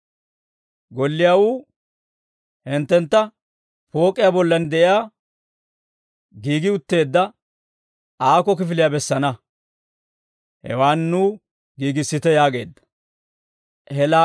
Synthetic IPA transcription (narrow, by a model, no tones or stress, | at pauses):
ɡɔlːɪjaːwuː | hɪnt̪ːɛnt̪ːɐ | po̞ːkʼːɪjabɔlːɐnd̪ɛʔɪjaː | ɡiːɡɪʊt̪ːe̞ːd̪ːɐ | aːkɔk̬ɪfɪlɪjabɛsːɐnɐ | hɛ̰waːnːuː | ɡiːɡɪsːɪt̪ɛjaːɡe̞̰ːd̪ːɐ̥ | hɛla